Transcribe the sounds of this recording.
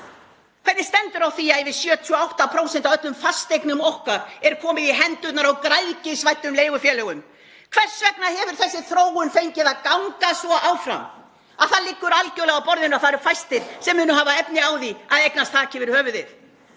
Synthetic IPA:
kʰveɾðɪ̥st̪ɛnt̪ʏɾawθiaðivɪsjœːt̪ʰyɔawht̪apʰɾoːwsɛnt̪aœt̪lʏmfast̪ejknʏmɔhkaɾɛɾkʰɔːmɪðiɦɛnt̪ʏt̪naɾawkɾajcɪsvajht̪ʏmleːjɣʏfjɛːlɛːɣʏm | kʰv̥ɛr̥svɛk̚nahɛvʏɾ̥θɛsːɪθɾoːwʏnfejɲcɪðaðkawŋkasvɔʔawfɾa̰m | aðθaɾlɪkːʏɾalcœwlɛɣapɔɾðɪnaθaɾɛɾ̥fajst̪ɪɾ̥sɛmːʏːnʏɦaːvaɛpnɪaːwðiaðejknast̪ʰaːcɪvɛɾʏhœːvʏðɪθ

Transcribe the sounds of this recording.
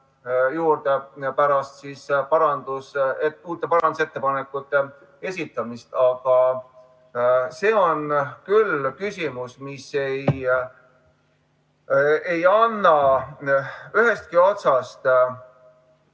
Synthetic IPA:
juːɾd̪̥epæɾɑst̪sispɑɾɑnd̪̥useuːt̪ːˑe̞pɑɾɑnd̪uset̪ːe̞pɑnekːˑut̪ːˑe̞ | e̞sʲit̪ˑːɑmist̪ɑɡ̥ɑ | se̞ːo̞nkylkysʲimusmise̞j | ejɑnːɑ | yɦe̞st̪̚kio̞t̪sɑst̪

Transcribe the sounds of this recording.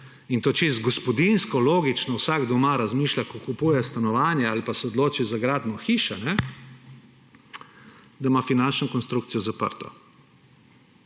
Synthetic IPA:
int̪oːt͡ʃist̪ɡɔspɔd̪inskɔloːɡit͡ʃnɔwsaɡd̪ɔmaɾazmiːʃlakɔkupuːjɛst̪anɔʋaːnjɛalipasɛɔd̪loːt͡ʃizaɡɾaːd̪nɔxiːʃanɛ | d̪amafinant͡ʃnɔkɔnst̪ɾukt̪sijɔzapə̰ɾt̪ɔ̰

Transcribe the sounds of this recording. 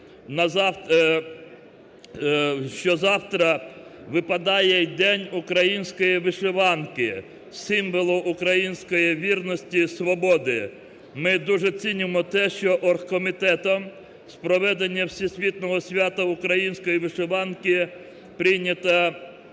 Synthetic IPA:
nɐzɑ | ʃt͡ʃɔzɑwt̪ɾɐʋɪpɐd̪ɑjɛjd̪ɛnʲukɾɐjinʲsʲkɔjiʋɪʃeʋɑnkɪ | sɪmʋɔlˠʊʔːkɾɐjinʲsʲkɔjiʋʲirnɔsʲtʲisʋɔbɔd̪ɪ | mɪd̪uʒɛt͡sʲinʲɪmɔt̪ɛʃt͡ʃɔʔɔrxkɔmʲit̪ɛt̪ɔm | spɾɔʋɛd̪enʲːɐwsʲisʲʋʲit̪nɔɦɔsʲʋʲat̪ɐʊkɾɐjinʲsʲkɔjiʋɪʃeʋɑnkɪ | pɾɪjnʲɐt̪ɐ

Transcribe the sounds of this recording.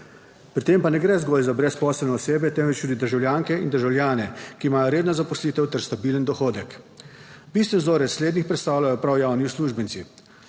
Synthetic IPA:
pɾit̪eːmpanɛɡɾɛzɡɔːlzabɾɛspɔːsɛlnɛɔseːbjɛt̪ɛmvɛt͡ʃt̪ud̪id̪əɾʒawlʲjaːŋkɛind̪əɾʒawlʲjaːnɛkiːmaːjɔɾeːd̪nɔzapɔsliːt̪ɛwt̪ɛɾst̪abilənd̪ɔxoːd̪ɛk | bist̪ʋɛnzoɾɛt̪sleːd̪nixpɾɛt̪st̪aːwlʲjajɔpɾawjaːwnisluːʒbənt̪si

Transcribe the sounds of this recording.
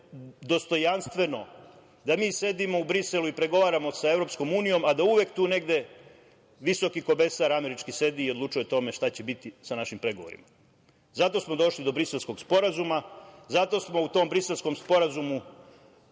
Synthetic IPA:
d̪o̞st̪o̞janst̪ʋe̞no̞ | d̪amiːse̞d̪imo̞ubɾise̞luipɾe̞ɡo̞ʋaːɾamo̞sae̞vɾo̞psko̞muːnijo̞mad̪auʋjekt̪uːne̞ɡd̪e̞ | ʋiso̞kiko̞be̞saɾame̞ɾit͡ʃkise̞d̪iːo̞d̪lˠuːt͡ʃujet̪o̞me̞ʃt̪at͡ɕebit̪isanaʃimpɾe̞ɡo̞ʋo̞ɾḭma | zat̪o̞smo̞d̪o̞ʃlid̪o̞bɾise̞lˠsko̞ɡspo̞ɾazumazat̪o̞smo̞ut̪o̞mbɾiselsko̞mspo̞ɾazumu

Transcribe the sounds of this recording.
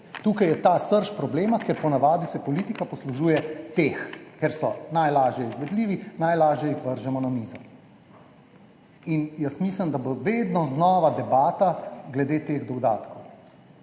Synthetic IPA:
t̪uːkajɛt̪aːsəɾʃpɾɔbleːmakeɾpɔnaʋaːd̪isɛpɔlit̪ikapɔsluʒuːjɛt̪exkɛɾsɔnajlaːʒjɛizʋɛd̪liːʋinajlaːʒjɛjixʋəɾʒɛmɔnamiːzɔ | injəsmiːsləmd̪aboʋed̪nɔznɔːʋad̪ɛbaːt̪aɡlɛd̪eːt̪eɣd̪ɔɡd̪aːt̪kow

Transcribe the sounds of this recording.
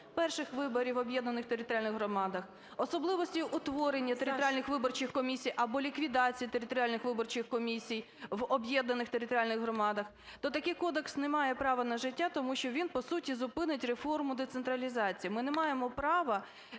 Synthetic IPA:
pɛrʃɪxʋɪbɔɾʲiʋɔbʲjɛd̪nɐnɪxt̪eɾɪt̪ɔɾʲjalʲnɪɣɦrɾɔmɑd̪ɐx | ɔsɔblˠɪʋɔsʲtʲijʔʊt̪ʋɔɾenʲːɐt̪eɾɪt̪ɔɾʲjalʲnɪxʋɪbɔrt͡ʃɪxkɔmʲisʲijʔɐbɔlʲikʋʲid̪ɑt͡sʲijit̪eɾɪt̪ɔɾʲɪalʲnɪxʋɪbɔrt͡ʃɪxkɔmʲisʲij | ʋɔbjɛd̪nɐnɪxt̪eɾɪt̪ɔɾʲialʲnɪɣɦɾɔmɑd̪ɐx | t̪ɔt̪ɐkɪjkɔd̪eksnɛmɑjɛpɾɑʋɐnɐʒɪtʲːat̪ɔmuʃt͡ʃɔʋʲinpɔsutʲizʊpɪnɪtʲrefɔrmʊd̪et̪sent̪ɾɐlʲizɑt͡sʲijimɪnɛmɑjemɔpɾɑʋɐ

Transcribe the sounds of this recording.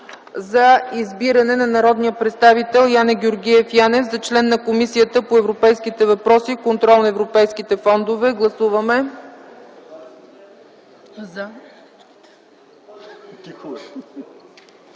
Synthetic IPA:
zɐizbiɾɐnɛnɐnɐɾɔd̪nijəpɾɛt̪st̪avit̪ɛlˠjanɛɡʲoɾɡʲiɛfjanɛvzɐt͡ʃlɛnːɐkomisijət̪əpoɛvɾopɛjskit̪ɛvɐpɾɔsikont̪ɾɔlˠnɐɛvɾopɛjskit̪ɛfɔnd̪ovɛɡlˠɐsuvɐmɛ

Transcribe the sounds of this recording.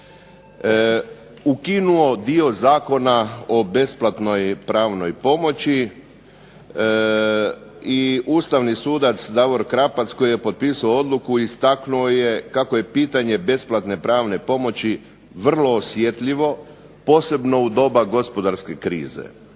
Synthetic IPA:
ukinuo̞d̪io̞zaːko̞nao̞be̞splˠat̪no̞jpɾaːʋno̞jpo̞mo̞t͡ɕi | iuːst̪aʋnisuːd̪at̪sd̪aʋo̞ɾkɾapat̪sko̞jije̞po̞dt̪̚piːsaoo̞d̪lˠukuist̪aknuoje̞kakoje̞piːt̪aɲe̞be̞splˠat̪ne̞pɾaːʋne̞po̞mo̞t͡ɕi | ʋr̩lˠo̞ːsjet̪ʎiʋo̞ | po̞ːse̞bno̞ud̪o̞baɡo̞spo̞d̪aɾske̞kɾḭːzḛ

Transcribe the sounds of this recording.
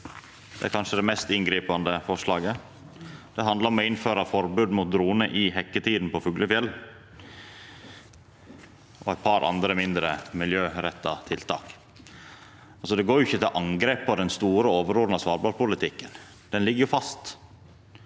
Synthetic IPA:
d̪̥ɛ̰æɾkʰɑnʂəd̪ɛmɛst̪ɪŋɡɾiːpɑnd̪əfɔʂlɑːɡə | d̪̥ɛɦɑnd̪lɑɾɔmɔɪnføːɾɑfɔɾbʉːd̪mʊt̪̚d̪ɾuːnəʔɪɦɛkːət̪ʰiːd̪n̩pɔfʉɡləfjɛlː | ʔɔæɪt̪̚pʰɑɾʔɑ̰nd̪ɾəmɪnd̪ɾəmɪljøːɾɛt̪ːɑ̰t̪ʰɪlt̪ʰɑ̰ːk | ɑlsɔd̪ɛɡoːɾjʊɪçːət̪ɪlʔɑŋɡɾeːpːɔd̪ɛnst̪uːɾəoːʋəɾuːɾnɑsʋɑːɾblɑpʊlɪt̪ʰɪkːən | d̪̥ɛnlɪɡːəjʊfɑst̪

